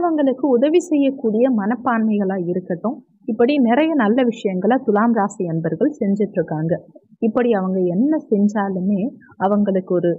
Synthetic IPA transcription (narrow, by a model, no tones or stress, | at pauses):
ɐʋɐŋɡɐɭɯkːɯʊðɐʋisɛjːɐkːuːɽɪjɐmɐnɐpːaːnmɐɪɣɐɭaːɪɾɯkːɐʈːʊ̃ | ɪpːɐɽinɪɾɐjɐnɐlːɐʋɪʂɐjɐŋɡɐɭɐt̪ʊlaːmɾaːsɐɛnbɐɾɣɐɭsɛɲd͡ʒɪʈːɾɯkːaːŋɡɐ | ɪpːɐɽiɐʋɐŋɡɐɛnːɐsɛɲd͡ʒaːlɯmeː | ɐʋɐŋɡɐɭɯkːɯɔɾɯ